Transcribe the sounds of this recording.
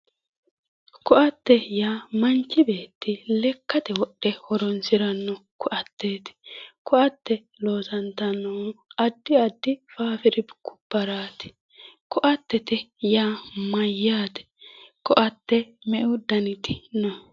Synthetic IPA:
kʊʔɐt̪ːɛjaːmɐnt͡ʃːɪbe̞ːt̪ːɪlɛkːɐt̪ɛwɔɗːɛhɔɾɔnsɪɾɐnːɔkʊʔɐt̪ːeːt̪ɪ̥kɔʔɐt̪ːɛ | lo̞ːsɐnt̪ɐnːɔɐd̪ːɪɐd̪ːɪfaːfɪɾɪbkːʊ̥b̥ɐɾaːt̪ɪ̥ | kʊʔɐt̪ːɛt̪ɛjaːmɐjːaːt̪ɛ̥kɔʔɐt̪ːɛmɛʔʊd̪ɐnɪt̪ɪ̥nɔ

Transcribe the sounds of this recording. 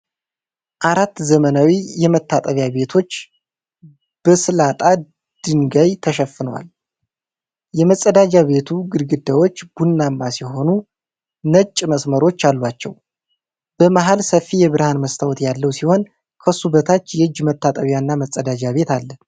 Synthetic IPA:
ʔaɾat̪ːzəmənawijɛmət̪ʰːat̪ʼəβjaβe̞t̪ʰo̞t͡ʃː | b̥əsɨlat̪ʼa | d̪̥ɨŋɡajt̪ʰəʃ̬əfːɨnwa̰l | jɛməsʼːəd̪ad͡ʒaβe̞t̪ʰuɡɨɾɡɨd̪ːawo̞t͡ʃːb̥unːamːasiɦo̞nu | nət͡ʃʼməsməɾo̞t͡ʃːalːat͡ʃːɛ̰w | b̥əmaɦalsəfːijɛβɨɾhanməst̪ʰawɔt̪jalːəwsiho̞n | kʰəsubət̪ʰat͡ʃːjɛhɨd͡ʒːmət̪ʰːat̪ʼəβjanːaməsʼəd̪ad͡ʒaβe̞t̪alːə

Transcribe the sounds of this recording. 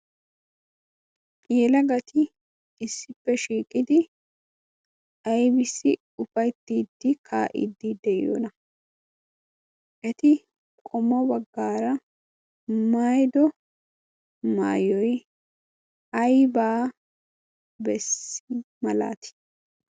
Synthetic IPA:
jɛlɐɡɐt̪ɪ | ɪsːɪpːɛʃiːkʼɪd̪ɪ | ʔɐjbɪsːɪ | ʊfɐjt̪ːiːd̪ːɪkʰaːʔɪ̰d̪ːiːd̪ɛjo̰ːnɐ | ʔɛt̪ɪ | kʼɔmːɔbɐɡːaːɾɐ | maːjd̪ɔ | ma̰ːjɔj | ɐjbaː | bɛsɪmɐla̰ːt̪ɪ̥

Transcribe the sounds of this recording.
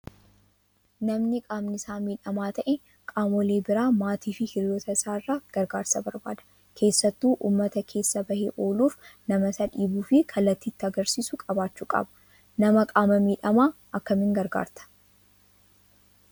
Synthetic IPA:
nɐmnɪkʼaːmnɪsaːmiːᶑɐmaːt̪ɐʔɛ | kʼaːmɔle̞ːbɪɾaːmaːt̪iːfɪhɪɾjoːt̪ɐɪsaːɪrːaːɡ̥ɐɾɡaːɾsɐbɐɾba̰ːd̪ɐ̥ | kʰe̞ːsːɐt̪ːuːʔṵːmːɐt̪ɐkʰe̞ːsːɐbɐheʔo̞ːluːfnɐmɐsɐᶑiːbuːfɪkʰɐlːɐt̪ːiːt̪ːɪɐɡɐɾsiːsʊkʼɐbaːt͡ʃːuːkʼɐ̰bɐ̥ | nɐmɐkʼaːmɐmiːᶑɐmaː | ɐkːɐmɪŋɡɐɾɡa̰ːɾt̪ɐ̥

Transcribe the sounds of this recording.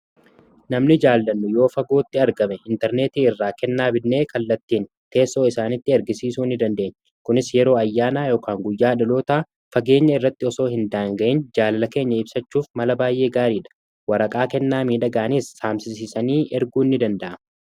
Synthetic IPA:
nɐmnɪd͡ʒaːllɐnːʊjo̞ːfɐɡo̞ːt̪ːɪɐɾɡɐmɛɪnt̪ɛɾne̞ːt̪iːɪrːaːkɛnːaːbɪnːe̞ːkɐlːɐt̪ːiːn | t̪e̞ːsːo̞ːɪsaːnɪt̪ːɪɐɾɡɪsiːsuːɪnːɪd̪ɐnd̪e̞ːɲː | kʊnɪsjɛɾo̞ːɐjːaːnaːjo̞ːkʰaːŋɡʊjːaːᶑɪlo̞ːt̪a | fɐɡe̞ːɲːɐɪrːɐt̪ːɪɔso̞ːhɪnd̪aːŋɡɐʔɪnd͡ʒaːlɐlɐke̞ːɲːɐɪbsɐt͡ʃːuːfmɐlɐbaːjʔe̞ːɡaːɾiːᶑɐ̥ | wɐɾɐkʼaːkɛnːaːmiːᶑɐɡaːniːsːaːmsɪsɪsɐniːʔɛɾɡuːnːɪd̪ɐnd̪ɐʔɐmɐ

